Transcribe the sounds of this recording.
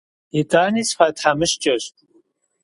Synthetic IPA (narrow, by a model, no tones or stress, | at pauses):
itʼaːniːsfaːtʰħamɨʃt͡ʃʼɐɕtʼ